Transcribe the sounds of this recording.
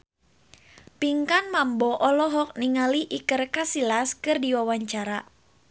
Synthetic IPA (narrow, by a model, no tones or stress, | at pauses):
piŋkanmambɔʔɔlɔɦɔk̚niŋaliʔikərkasilaskɨrdiwawaɲt͡ʃaɾa